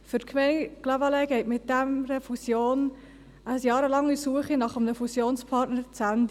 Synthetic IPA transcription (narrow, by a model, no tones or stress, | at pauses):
fʏɾtkʰmɛɪnklavɑlɛɡɛɪtmɪt̚d̥æmɾəfusjoːn | əjɑːɾəlɑŋːisuəχinɑχəmnəfusjoːnspʰɑɾtnəɾt͡sændə